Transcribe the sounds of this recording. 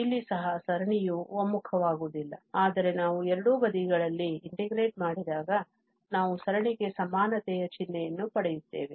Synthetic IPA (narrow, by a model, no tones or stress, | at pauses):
ilːisɐɦɐsɐɾɐɳijuʋɐmːukʰɐʋaːɡuːd̪ilːɐaːd̪ɐɾe̞naːʋuɛɾɐɽuːbɐd̪iɡɐɭɐlːiːɳʈeɡɾe̞ːʈ̚maːɽid̪aːɡɐ | naːʋusɐɾɐɳiɡe̞sɐmaːnɐt̪ɛjɐt͡ʃinːɛjɐnːupɐɽɛjut̪ːe̞̰ːʋe